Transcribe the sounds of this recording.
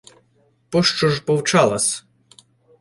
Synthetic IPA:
pɔʃt͡ʃɔʐpɔwt͡ʃɑlˠɐsʲ

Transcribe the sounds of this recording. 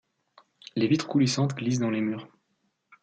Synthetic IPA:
levit̪χkulisɑ̃t̪ɡlis̬d̪ɑ̃lemyːʁ

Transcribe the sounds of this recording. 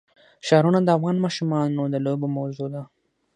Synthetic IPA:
ʃɑɾunad̪əafɣɑnmɑʃumɑnod̪əlobomawzod̪a

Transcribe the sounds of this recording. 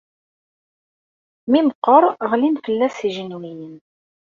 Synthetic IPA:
miməqːəɾˤəʁlinfəlːæsiʒənwijən

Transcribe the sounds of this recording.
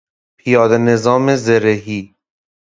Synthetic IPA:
pʰijɒːd̪enezɒːmezeɾeɦiː

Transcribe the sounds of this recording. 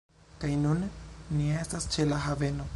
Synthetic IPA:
kajnunːie̞stast͡ʃe̞laɦave̞no̞

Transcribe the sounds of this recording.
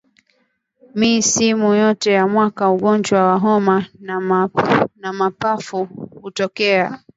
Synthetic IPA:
misimujɔtɛjamwakauɠɔnd͡ʒwawaɦɔmana | namapafuhutɔkɛa

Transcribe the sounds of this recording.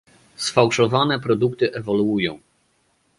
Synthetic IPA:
sfawʂɔvanɛpɾɔd̪ukt̪ɘʔɛvɔluujɔ̃w̃

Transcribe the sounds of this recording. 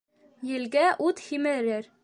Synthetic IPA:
jɘ̆lɡæʔut̪himɘ̆ɾɘɾ

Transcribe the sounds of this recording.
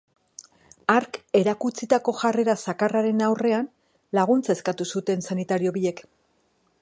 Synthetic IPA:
aɾke̞ɾakut͡sit̪ako̞ʝare̞ɾasakaraɾe̞nawre̞an | laɣ̞unt͡sae̞skat̪usut̪e̞nsanit̪aɾio̞βie̞k

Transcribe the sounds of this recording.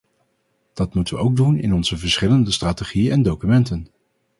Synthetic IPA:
d̥ɑtmutəʋəʔowɡ̚dunɪ̰nɔnzəvəɹsχɪləndəstraːteχijənɛndowkymɛntən

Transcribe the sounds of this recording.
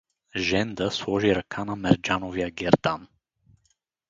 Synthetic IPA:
ʒɛnd̪əslˠɔʒiɾɐkʰanɐmɛɾd͡ʒanovijəɡʲɛɾd̪an

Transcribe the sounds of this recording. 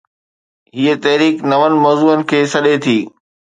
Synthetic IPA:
ɦiːət̪ɐɦɾiːknɐʋənɪ̆mɔːzuːənɪ̆kʰeːsɐɗet̪ʰiː

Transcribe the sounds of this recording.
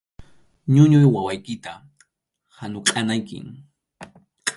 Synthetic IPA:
ɲʊɲʊjwawajkɪt̪a | hanʊqʼanajkɪ̰ŋ

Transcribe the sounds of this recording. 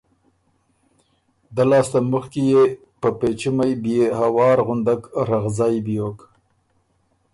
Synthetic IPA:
d̪alɑːst̪aməxkije | pəpet͡ʃimajbjehawɑːɾɣʊnd̪akɾaɣzɑjbijok

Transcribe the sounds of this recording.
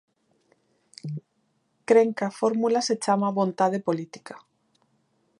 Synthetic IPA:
kɾeŋkafoɾmulaset͡ʃamaβont̪aðepolit̪i̥kḁ

